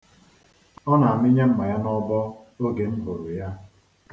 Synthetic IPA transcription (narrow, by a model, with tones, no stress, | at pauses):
ɔ˦na˨a˨mɪ˦ɲe˦m̩˦ma˨ja˦nɔ˦bɔ˦ | o˦ɡe˨m̩˦bo˨ɾʊ˨ja˦